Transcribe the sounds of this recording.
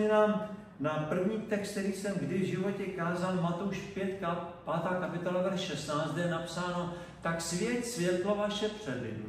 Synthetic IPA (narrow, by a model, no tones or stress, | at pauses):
ɛnaːm | napr̩vɲiːt̪ɛkst̪t̪ɛɾiːsɛmɡdɪvʒɪvo̞cɛkaːzalmat̪o̞wʃpjɛt̪kapaːt̪aːkapɪt̪o̞lavɛɾʃʃɛst̪naːt͡st̪jɛnapsaːno̞ | t̪aksvjɛt̪svjɛt̪lovaʃɛpr̥ɛdɪ̰